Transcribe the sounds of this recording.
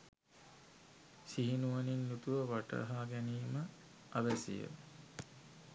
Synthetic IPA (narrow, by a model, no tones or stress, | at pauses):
siɦinuʋaninːut̪uʋəʋaʈə̰ɦaːɡæniːmə | aʋæsḭjə̰